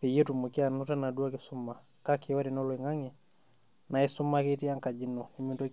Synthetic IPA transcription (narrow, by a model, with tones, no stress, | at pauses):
pi˨ji˦tu˨mu˨ki˦a˨nu˦ta˦na˨du˦a˦ki˨su˦ma˨ | ka˦kʰiɔ˦ɾi˨nɔ˦lwi˨ŋa˦ŋɛ˨ | na˨i˦su˦makiti˦a˦ŋka˨d͡ʒi˦nɔ˨i˨minto˦